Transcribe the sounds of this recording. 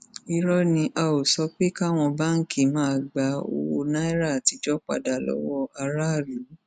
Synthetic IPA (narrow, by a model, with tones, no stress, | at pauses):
i˦˧ɾɔ˦nĩ˧ʔa˧o˨sɔ˧k͡pe˦ka˦˨w̃ɔ̃˧ba˦ŋ̩˦kʰi˦˨mãː˨˦a˧˨ɡ͡ba˧˦o̰˧wo˧nã˦i˦ɾa˦˨ti˧˦d͡ʒɔ˦k͡pa̰˦˨da˨lɔ̰˦wɔ˦ʔa˧ɾa˦˨lu˨˦